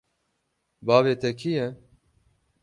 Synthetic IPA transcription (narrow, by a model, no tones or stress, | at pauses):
bɑːveːt̪ʰɛkʰijɛ